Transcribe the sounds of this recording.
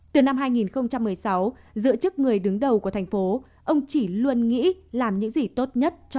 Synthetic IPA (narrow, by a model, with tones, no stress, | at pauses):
t̪ɨ˨˩na˧mɦaː˧jŋi˨˩nxə˧wŋ͡mt͡ɕa˧mːɨ˨˩əjsa˨˦w | zɨ̰˧˥ət͡ɕɨ˦˥k̚ŋɨ˨˩əjɗɨ˨˦ŋɗə˨˩wku˧˩ət̪ʰa˨˩ŋ̟fo˨˦ | ʔə˧wŋ͡mt͡ɕi˧˩lu˧ənŋḭ˧˥laː˨˩mɲɨ̰˧˥ŋzi˨˩t̪o˦˥t̚ɲə˦˥t̚t͡ɕ